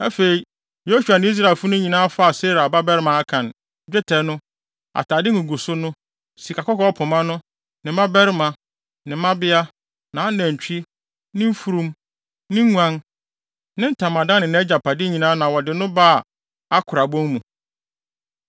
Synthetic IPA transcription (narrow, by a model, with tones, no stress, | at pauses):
ɛ˦fe˨ɾi˨ | jo˦su˨a˨nɪ̃˦i˦s̬ɾa˨lfʊ˦nʊ̃˦ɲĩ˨nãː˦fa˦a˨se˦ɾa˨ba˦bɛ˦ɾɪ˦mã˨a˦kʰã˨n | d͡ʑᶣɛ˦tʰɛ˨nʊ̃˦ | a̰˨tʰa˨dɪ˦ŋʊ̃˨ɡu˨sʊ˦nʊ̃˦ | si˨kʰa˨kɔ˦kɔ˦ɔ˦pʰʊ˨mã˦nʊ̃˦ | nɪ̃˨˦mã˦bɛ˦ɾɪ˦mã˨ | nɪ̃˨mã˦bɪ˦a˦ | nã˨a˦næ̃˨ɲ˨t͡ɕᶣi˦ | nɪ̃˦m̩˦fu˦ɾũ˦m | nɪ̃˦ŋʷã˦n | nɪ̃˦n̩˦tʰã˨mã˨dã˦nɪ̃˨ñ˨˦ɛ˦d͡ʑa˨pʰa˨dɪ˦ɲĩ˨nãː˦nã˨wɔ˨dɪ˨nʊ̃˦baː˦˨ | a˦kʰʊ˨ɾa˨bɔ̃˦ŋmũ˨